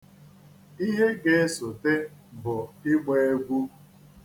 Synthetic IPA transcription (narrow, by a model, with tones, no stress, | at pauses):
i˦ɦe˦ɡe˨e˦so˨te˦bʊ˨ɪ˦ɡ͡be˦e˦ɡʷu˦